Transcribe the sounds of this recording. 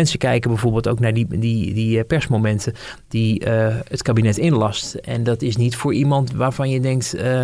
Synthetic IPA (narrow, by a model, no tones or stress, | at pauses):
ɛnsəkɛjkəbɛjvoːɹbɪːlˠtowknaːɹdididipɛɹsmowmɛntəd̥iətkaːbinɛtɪnlɑstɛ̰ndɑtɪsnitfʊːɹʔimɑntʋaːɹvɑnjədɛŋk̚t